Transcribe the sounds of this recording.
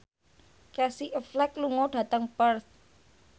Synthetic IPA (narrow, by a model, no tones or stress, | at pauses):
kɛsiʔəflɛk̚luŋɔɖ̥ä̤t̪əŋpərs